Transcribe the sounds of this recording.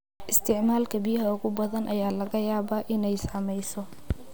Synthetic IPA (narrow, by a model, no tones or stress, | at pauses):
ʔɪst̪ʰɪʕmaːlkʰɐbɪjɐɦɐʊɣʊbɐðɐnʔɐjaːlɐɣɐjaːβaːʔɪnɛjsaːmɛjsɔ